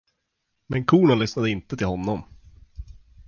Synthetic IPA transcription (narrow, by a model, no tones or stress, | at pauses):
mɛnkʰuːɳalʏsnad̪əɪnt̪ət̪ʰɪlhɔnːɔm